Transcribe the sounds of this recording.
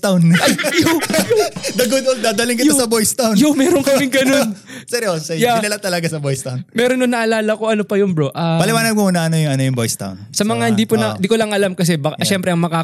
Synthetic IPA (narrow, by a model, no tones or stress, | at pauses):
t̪awnʔɐjjojʊd̪ɐɡʊd̪old̪aːd̪ɐlɪŋkɪt̪sɐbojst̪awnjʊmɛɾonkɐmɪŋɡɐno̞n | sɛɾosɛjaɪnɐlɐt̪ɐlɐɡasɐbojst̪ɐwnmɛːɾonːonːɐʔɐlaːlɐko̞ʔɐnopɐjonbɾoʔaːpɐlɪwaːnɐd̪̚konɐʔɐnojʊŋɐnojʊŋbojst̪a̰wnsɐmɐŋahɪnd̪ipʊnɐd̪ikolɐŋʔɐlamkɐs̬ɛbɐkʃɛmpɾɛɐŋmɐkaː